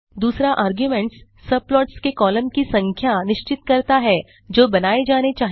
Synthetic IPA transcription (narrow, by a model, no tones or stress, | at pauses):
d̪uːsɾaʔaːɾɡjʊmɛ̃ːɳʈsːɐb̚plɔːʈskekɔːləmkisɐ̃ŋkʰjanɪʃt͡ʃɪt̪kɐɾt̪aɦɛ | d͡ʒoːbɐnaːed͡ʒaːnet͡ʃaːɦ